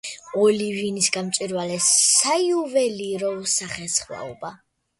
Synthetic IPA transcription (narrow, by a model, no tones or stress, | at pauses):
ɔlivinisɡamt̪t͡ʃ̪ʼiɾvalɛssaiuvɛliɾɔvsaχɛsχwa̰ɔ̰ba